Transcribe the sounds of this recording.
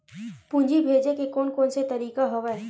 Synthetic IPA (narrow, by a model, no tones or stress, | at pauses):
pũːnd͡ʒibʱeːd͡ʒekekoːnkoːnset̪ɐɾiːkaɦoʋɛ